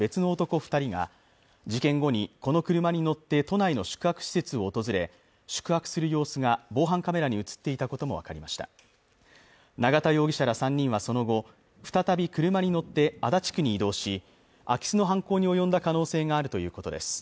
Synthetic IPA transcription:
be̞t͡sɨno̞ːt̪o̞ko̞ɸɯ̟̥t̪aɾʲiɡa̰ | d͡ʑikẽ̞ŋɡo̞ɲ̟iko̞no̞kɯ̟ɾɯ̟maɲ̟ino̞t̪ːe̞t̪o̞naino̞ɕɨ̥kɯ̟hakɯ̟̥ɕi̥se̞t͡sɨo̞ːt̪o̞zɨɾe̞ | ɕɨ̥kɯ̟hakɯ̥sɨɾɯ̟jo̞ːsɨɡabo̞ːɦãŋkame̞ɾaɲ̟iɯ̟t͡sɨ̥t̪ːe̞it̪ako̞t̪o̞mo̞βa̰kaɾʲimaɕi̥t̪a̰ | naɡat̪ajo̞ːɡʲiɕaɾasãɲ̟ːĩɰ̃βaso̞no̞ɡo̞ | ɸɯ̟̥t̪at̪abʲikɯ̟ɾɯ̟maɲ̟ino̞t̪ːe̞ad̪at͡ɕi̥kɯ̟ɲ̟iːd̪o̞ːɕi | akʲi̥sɨno̞ɦãŋko̞ːɲ̟io̞jõ̞nd̪akano̞ːse̞ːɡaːɾɯ̟t̪o̞jɯ̟ːko̞t̪o̞̰d̪e̞̰sɨ̥

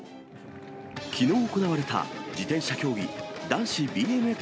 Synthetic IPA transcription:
kʲino̞ːoko̞naβaɾe̞t̪a̰d͡ʑit̪ẽ̞ɰ̃ɕakʲo̞ːɡʲḭd̪ãɰ̃ɕibʲiːe̞mɯ̟e̞

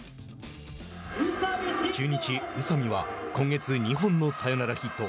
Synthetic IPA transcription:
d͡ʑɨːɲ̟it͡ɕiɯ̟samʲiβa̰kõ̞ŋɡe̞t͡sɨɲ̟iɦõ̞nːo̞sajo̞naɾaçit̪ːo̞

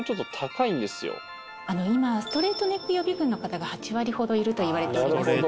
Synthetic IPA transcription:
t͡ɕot̪ːo̞t̪ʰakaĩnd̪e̞sɨjo̰ | ano̞imasɨ̥t̪o̞ɾe̞ːt̪o̞ne̞kːɯ̟jo̞bʲiɡɯ̟̃nːo̞kat̪aɡahat͡ɕiβaɾʲiho̞d̪o̞iɾɯ̟t̪o̞iβ̞aɾe̞t̪ee

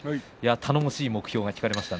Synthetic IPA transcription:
jat̪ʰano̞moɕiːmo̞kɯ̟̥çʲo̞ːɡakʲi̥kaɾe̞maɕi̥t̪an

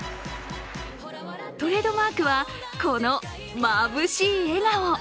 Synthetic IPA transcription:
t̪o̞ɾe̞ːd̪o̞maːkɯ̟βa | ko̞no̞ | mabɯ̟ɕiːe̞nao

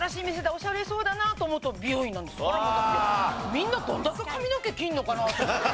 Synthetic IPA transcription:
ɾaɕiːmies̬e̞d̪eo̞ɕaɾeso̞ːd̪anaːt̪o̞ːmot̪ːobʲioĩnːãnd̪e̞s | mʲĩnːad̪õ̰nd̪akekamʲinoke̞kʲĩnːo̞kanat̪

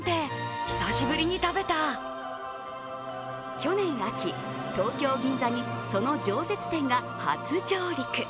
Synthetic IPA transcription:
t̪eçi̥saɕibɯ̟ɾʲiɲ̟it̪abe̞t̪a | kʲo̞nẽ̞ɰ̃akʲi | t̪o̞ːkʲo̞ːɡʲĩnd͡zaɲ̟iso̞no̞d͡ʑo̞ːse̞t͡sɨ̥t̪ẽ̞ŋɡa | ha̰t͡sɨd͡ʑo̞ːɾʲikɯ̟

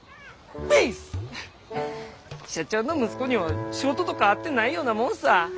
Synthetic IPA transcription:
mais | ɕat͡ɕõ̞nːo̞mɯsɨ̥ko̞ɲ̟iβaɕiɡo̞t̪o̞t̪o̞kaːt̪ːe̞naijo̞ːnamõ̞nsa

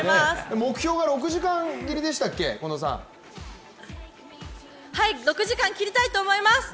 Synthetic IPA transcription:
asemo̞kɯ̟̥çʲo̞ːɡaɾo̞k̬ɯ̟ʑikãŋɡʲiɾʲid̪e̞ɕ̬i̥t̪akːe̞̰ko̞no̞sã̰ | haiɾokɯ̟ʑikãŋkʲiɾʲit̪ait̪o̞ːmo̞imasɨ̥

